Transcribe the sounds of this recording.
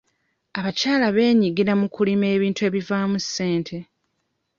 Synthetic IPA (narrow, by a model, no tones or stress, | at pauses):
aβacaːlaβe̞ːɲiɡiɾamukulime̞ːβiːntue̞ːβivaːmusːe̞ːntʰe̞